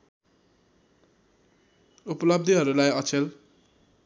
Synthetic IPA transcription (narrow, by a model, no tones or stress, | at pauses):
upʌlʌb̚d̪ʱiɦʌɾulajʌt͡sʰel